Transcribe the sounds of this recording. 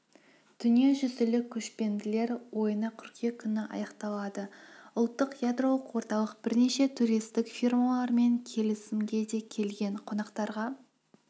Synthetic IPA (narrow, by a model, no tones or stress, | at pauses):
d̪̥ʏnije̞ʒʏzɪlɪkʲʰɵʃpe̞nd̪ɪle̞ɾwo̞jənɑkʲʰʏɾkʲe̞kʲʰʏnɪʔɑ̰jɑqt̪ɑlˠɑd̪əʊlˠt̪ːəqjad̪ro̞lˠəqwo̞ɾt̪ɑlˠəq̚b̥ɪɾneʃe̞t̪ʰuɾijst̪ɪkfʲirmalˠɑɾme̞ŋkʲʰe̞lɪsɪmɡʲe̞d̪e̞kʲʰe̞lɡʲe̞ɴqʰo̞nɑqt̪ɑɾʁɑ